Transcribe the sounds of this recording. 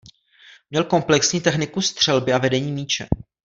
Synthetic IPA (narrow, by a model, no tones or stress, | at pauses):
mɲɛlko̞mplɛksɲiːt̪ɛxnɪkust̪r̝̥ɛlbɪavɛdɛɲiːmiːt͡ʃɛ̰